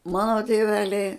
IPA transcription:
ˈmɑːnoː tʲeːˈʋʲæːlʲɛɪ

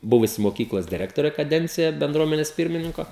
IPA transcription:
ˈbʊʋʊsʲɪ moːˈkʲiːklˠoːs dʲɪˈrʲæːktoːrʲeː kɐˈdʲɛnʲt͡sʲɪjɛ bʲɛnˈdruɔmʲɛnʲɛs ˈpʲɪrʲmʲɪnʲɪŋkoː

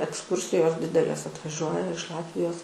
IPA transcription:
ɛksˈkuːrʲsʲɪjoːs ˈdʲɪdʲɛlʲeːs ɐtʋɐˈʒʲuɔjɛ ɪʃ ˈlˠɑːtʲʋʲɪjoːs

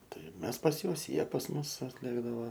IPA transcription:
ˈtɐɪ ˈmʲɛs pɐs ˈjuɔs ˈjiɛ pɐs ˈmʊs ɐtʲˈlʲeːɡdɐʋɐ

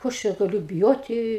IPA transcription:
ˈkoː ɐʃ ˈt͡ʃʲɛ ɡɐˈlʲʊ bʲɪˈjoːtʲɪ

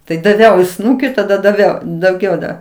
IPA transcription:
tɐɪ dɐˈʋʲɛʊ ɪ ˈsnuːkʲɪ tɐˈdɐ dɐˈʋʲɛʊ dɐʊˈɡʲɛʊ dɐ

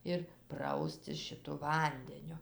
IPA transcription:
ɪr ˈprɐʊsʲtʲɪs ʃʲɪˈtʊ ˈʋɐnʲdʲɛnʲʊ

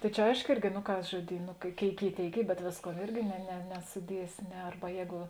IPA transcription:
tɐɪ ˈt͡ʃʲɛ ˈɐɪʃkoː ˈɪrʲɡʲɪ noː ˈkɐs ʒoːˈdʲiːn noː ˈkʲeːɪk ˈkʲeːɪk ˈiː ˈtʲeːɪk ˈiː bʲɛt ˈʋʲeːsˌkuɔ ˈɪrʲɡʲɪ nʲɛ nʲɛ nʲɛsʊˈdʲiɛsʲɪ ˈnʲɛ ˈɐrbɐ ˈjɛːɡʊ

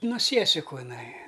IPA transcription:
noː ˈsʲiɛsʲɪkʊ ɪˈnɐɪ

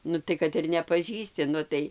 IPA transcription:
ˈnʊ tɐɪ kɐt ɪr nʲɛpɐˈʒʲiːsʲtʲɪ ˈnʊ tɐɪ

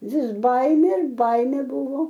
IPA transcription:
ʋʲɪs ˈbɐɪmʲeː ɪr ˈbɐɪmʲeː ˈbʊʋoː

